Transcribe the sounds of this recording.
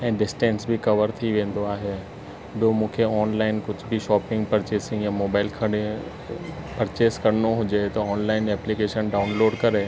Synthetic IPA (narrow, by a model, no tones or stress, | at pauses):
ɛ̃ːɖɪsʈẽːnsbʱɪkɐʋəɾt̪ʰiʋẽːnd̪oaːɦe | bɪjomũːkʰeɔːnlaːɪnkʊd͡ʑʱbɪʃɔːpɪ̃ŋɡpɐɾt͡ɕeːsɪ̃ŋɡjãmoːbaːɪlkʰɐɽe | pɐɾt͡ɕeːskɐɾnoɦʊd͡ʑet̪ɐɔːnlaːɪnɛːplikeːʃənɖaːʊnloːɖkɐɾe